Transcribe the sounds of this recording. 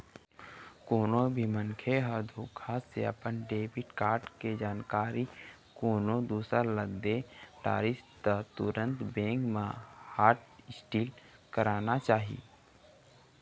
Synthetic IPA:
koːnõbʱimənkʰeɦəd̪ʱukʰaːssḛə̰pənɖeːbɪʈkaːɾʈked͡ʒaːnkaːɾi | koːnõd̪uːsɾaləɡd̪eʈa̰ːɾɪst̪at̪ʊɾə̃nt̪bẽːŋɡmãhaːɾʈɪsʈiːlkəɾaːnat͡ʃaːɦḭː

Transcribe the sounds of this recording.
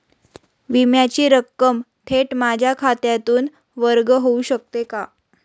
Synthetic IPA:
ʋimjat͡ɕiːɾəkːəm | t̪ʰeʈmad͡ʑʱjakʰat̪jat̪uːn | ʋəɾɡɦouɕək̚t̪eka

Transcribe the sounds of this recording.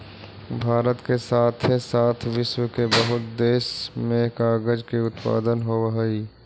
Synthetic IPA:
bʱaːɾət̪kesaːt̪ʰesaːt̪ʰʋɪʃwəkebɐɦʊt̪̚d̪eːʃmẽkaːɡəd͡ʒkiʊt̪pa̰ːd̪ənɦoəɦiː

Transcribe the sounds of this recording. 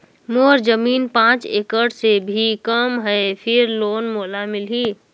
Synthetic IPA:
moɾd͡ʒəminpãt͡ʃḛkəɽsebʱikəmɦəepʰiɾlonmolamilɦi

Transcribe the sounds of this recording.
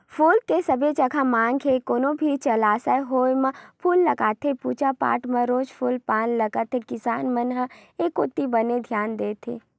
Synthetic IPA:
fʰuːlkesɐbet͡ʃɐkʰamãːŋɡʰekoːnõbʱit͡ʃɐlaːsəeɦoːjmə̃pʰuːlːɐɡaːt̪ʰepuːt͡ʃapa̰ːʈmɐ̃ɾoːd͡ʒpʰuːlpaːnlɐɡat̪ekɪsaːnmɐnɦəeːkʊt̪ːibəned̪ʱjaːnd̪eːt̪ʰḛː

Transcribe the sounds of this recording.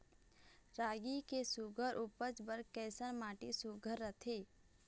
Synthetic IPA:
ɾaːɡikesuɡʱəɾʔuːpəd͡ʒbəɾkɛːsəɾmaːʈisuɡʱəɾːət̪ʰeː

